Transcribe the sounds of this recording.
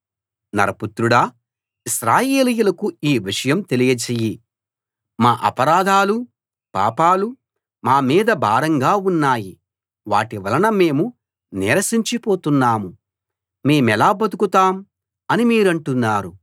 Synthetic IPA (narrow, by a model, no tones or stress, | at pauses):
nɐɾɐput̪ɾuɽɐː | isɾaːjeːlijulɐkuiːʋiʂɐjɐmt̪e̞lijɐt͡ʃeji | maːʔɐ̰pɐɾaːd̪ʱaːlu | pa̰ːpaːlu | maːmiːd̪ɐbʱaːɾɐŋɡaːunːaːji | ʋaːʈiʋɐlɐnɐme̞ːmu | nɛːɾɐsiɲt͡ʃipoːt̪unːaːmu | me̞ːmɛlaːbɐd̪ukut̪aːm | ɐnimiːɾɐɳʈunːaːɾu